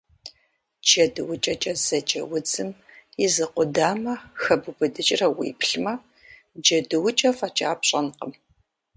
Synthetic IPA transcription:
d͡ʒɐdɨwʊt͡ʃʼɐt͡ʃʼɐz̥ɐt͡ʃʼɐ̰wʊd͡zɨmizɨqʷʊdaːmɐxɐbubɨdɨt͡ʃʼrɐwḭːpʰɬmɐ | d͡ʒɐdɨwʊt͡ʃʼɐfat͡ʃʼaːpɕʼɐnqəm

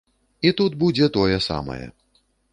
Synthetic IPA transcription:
it̪ud̪̚bud͡zʲɛt̪ɔjɛsa̰mɐ̰jɛ̰

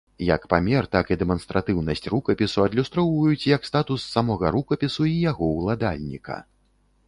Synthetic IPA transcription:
jɐ̰kpamʲɛrt̪akid̪ɛmɔnst̪ɾʔat̪ɨwnɐsʲt͡sʲrukɐpʲisuɐd̪lʲust̪ɾɔwvɐjut͡sʲjɐkst̪at̪usːamɔɣɐɾukɐpʲisuijaɣɔwlˠad̪a̰lʲnʲḭkɐ̰

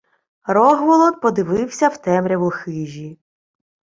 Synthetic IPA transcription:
rɔɦʋɔlˠɔt̪̚pɔd̪ɪʋɪwsʲɐwt̪ɛmɾʲɛʋlˠxɪʒʲi

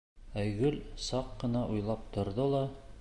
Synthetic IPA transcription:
æjɡɵlsɑqːɤ̆nɑʔujlˠɑpt̪ŏɾðolˠɑ

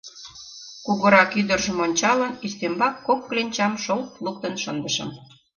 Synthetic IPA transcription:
kuɣə̆ɾɑkyd̪ərʒə̆monʲt͡ɕɑlənist̪embɑkːokːlenʲt͡ɕɑmʃolt̪luk̚t̪ənʃənd̪ə̆ʃə̰̆m

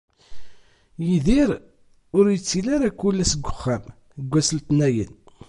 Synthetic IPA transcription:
jiðiɾ | ʊɾjət͡sːilaɾakːʊlːæsəɡʷːʊχːæm | θəɡʷːæsəlt̪næjə̰n

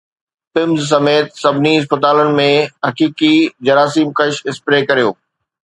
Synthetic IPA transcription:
pɪmzs̬ɐmeːt̪sɐbʱniɪs̬pət̪aːlənɪ̆mẽɦɐkiːkid͡ʑɐɾaːs̬iːmkɐʃɪspɾeːkɐɾijoː

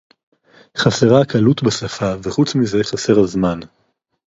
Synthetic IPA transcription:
χaseʁakalut̪basafaveχut͡smize̞χase̞ʁazman

